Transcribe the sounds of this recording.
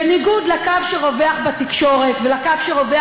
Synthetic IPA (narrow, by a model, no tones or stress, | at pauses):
eniɡudlakavʃeʁo̞veaχbat̪ikʃo̞ʁe̞t̪velakavʃeʁo̞ve